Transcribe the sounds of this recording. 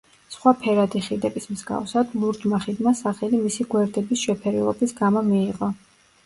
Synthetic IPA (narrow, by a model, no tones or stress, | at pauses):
sχwapʰɛɾad̪iχid̪ɛbismzɡa̰fsad̪lˠuɾd͡ʒmaχid̪masaχɛlimisiɡwɛɾd̪ɛbisʃɛpʰɛɾɛlɔ̰bisɡamɔmiːʁɔ